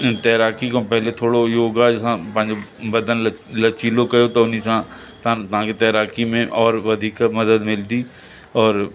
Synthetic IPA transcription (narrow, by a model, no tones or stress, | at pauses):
t̪ɛːɾaːkikõpɛɦlet̪ʰoːɽojoːɡad͡ʒɪsãpɐ̃ɦɪ̃ɲd͡ʒebɐd̪ənlɐt͡ʃiːlokɐjot̪ɐʊnisã | t̪ãt̪ɐɦãket̪ɛːɾaːkimẽʔɔːɾʋɐd̪ʱiːkmɐd̪əd̪mɪld̪i | ɔːɾ